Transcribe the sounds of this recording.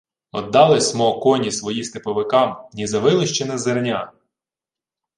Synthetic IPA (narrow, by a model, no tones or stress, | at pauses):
ɔd̪ːɑlˠɪsʲmɔkɔnʲisʋɔjist̪ɪpɔʋɪkɑmnʲizɐʋɪlˠɪʃt͡ʃɪnɐzernʲa